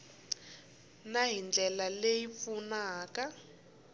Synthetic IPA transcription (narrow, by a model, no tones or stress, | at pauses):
naɦind͡ɮʱɛlalejifunaːka